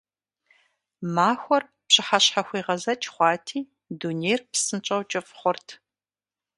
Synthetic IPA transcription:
maːxʷɔr | pɕɪħaɕħaxʷiːʁɐzɐt͡ʃʰʼχʷɑːtʰiː | duneːjrpsɨnt͡ʃʼɐwt͡ʃʼɐfχʷɔrtʰ

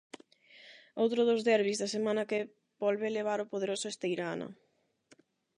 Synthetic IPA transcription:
owt̪ɾʊðozðɛɾβizðɐsemãnɐke | bɔlβeleβ̞aɾopoð̞eɾosʊest̪ejɾanɐ̰

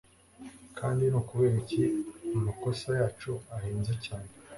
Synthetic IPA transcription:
kʰaːndinuːkuβeːɾiciumako̞sajaːt͡ʃuaheːnzecaːne

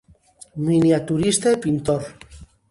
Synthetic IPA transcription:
miniat̪uɾist̪epint̪oɾ

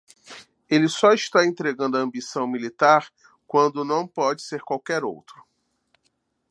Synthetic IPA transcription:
elɪsɔiʃt̪aẽnt̪ɾeɡɐ̃nd̪ʊɐɐ̃mbisɐ̃w̃milit̪aɾ | kwɐ̃nd̪ʊnɐ̃w̃pɔd͡ʒɪseɾkwawkɛɾo̰wt̪ɾʊ̥

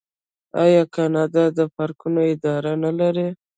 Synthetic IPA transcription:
ɑjɑkɑnɑd̪ɑd̪əfaɾkunoɪd̪ɑɾanalaɾe

